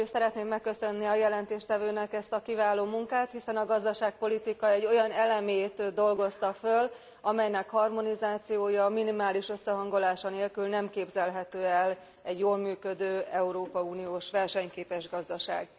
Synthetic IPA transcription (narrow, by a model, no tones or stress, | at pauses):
sɛɾɛt̪neːmmɛkːø̞sø̞nːiɒjɛlɛnt̪eːʃt̪ɛvøːnɛkɛst̪ɒkivaːloːmuŋkaːt̪hisɛnɒɡɒzd̪ɒʃaːk̚po̞lit̪ikɒɛɟːo̞jɒnɛlɛmeːt̪d̪o̞lɡo̞st̪ɒføl | ɒmɛjnɛkhɒrmo̞nizaːt̪sijoːjɒminimaːliʃø̞sːɛɦɒŋɡo̞laːʃɒneːlkylnɛmkeːbzɛlɦɛt̪øːɛl | ɛɟjoːlmyːkø̞d̪øːɛuɾoːpɒuːnijoːʃʋɛrʃɛɲkeːpɛʒɡɒzd̪ɒʃa̰ːɡ